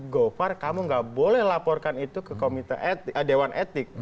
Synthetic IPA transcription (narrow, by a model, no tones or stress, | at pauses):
ɡofarkamuŋɡaʔbolɛhlapɔrkanit̪ukəkomit̪a̰ʔet̪ʔədewanʔet̪ɪk̚